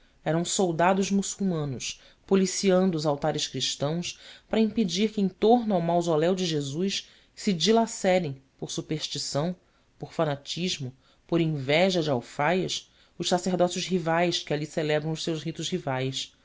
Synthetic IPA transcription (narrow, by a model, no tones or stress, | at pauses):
ɛɾɐ̃w̃sowd̪ad̪ʊzmusuwmɐ̃nʊʃ | polisiɐ̃nd̪ʊːzawt̪aɾɪʃkɾiʃt̪ɐ̃w̃spaɾɐĩped͡ʒiɾkɪẽt̪oɾnʊawmawzolɛwd͡ʒɪʒezujʃ | sɪd͡ʒilasɛɾẽj̃poɾsupeɾʃt͡ʃisɐ̃w̃ | poɾfanat͡ʃiʒmʊ | poɾĩvɛʒɐd͡ʒɪawfajɐs | ʊʃsaseɾd̪ɔsjʊzɦivajskɪaliselɛbɾɐ̃w̃ʊʃsewʃɦit̪ʊʃhivajs